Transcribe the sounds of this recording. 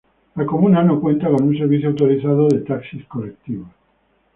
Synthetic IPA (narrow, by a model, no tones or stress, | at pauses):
lako̞munanokwẽ̞nt̪ako̞nunse̞ɾβ̞iθjoawt̪oɾiθaðoðe̞t̪aksiskolek̚t̪iβa